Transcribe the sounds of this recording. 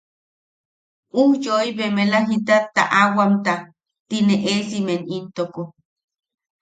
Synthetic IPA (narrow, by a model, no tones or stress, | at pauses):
uhjoiβemelaɦit̪at̪ːa̰ʔawamt̪a | t̪ineʔesimenint̪oko